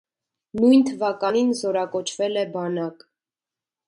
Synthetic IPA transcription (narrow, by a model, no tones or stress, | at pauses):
nujnt̪ʰəvɑkɑninzɔɾɑkɔt͡ʃʰvɛlɛbɑnɑk